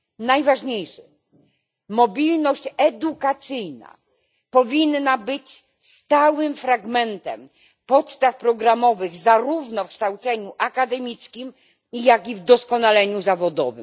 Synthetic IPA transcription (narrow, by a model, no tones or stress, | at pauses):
najvaʐɲejʂɘ | mɔbʲilnɔɕt͡ɕɛd̪ukat̪sɘjna̰ | pɔvʲinːabɘt͡ɕ | st̪awɘmfɾaɡmɛnt̪ɛ̰m | pɔt̪st̪afpɾɔɡɾamɔvɘɣzaɾuvnɔfkʂt̪awt̪sɛɲuʔakad̪ɛmʲiskʲim | ijakʲivd̪ɔskɔnalɛɲuzavɔd̪ɔ̰vɘ̰m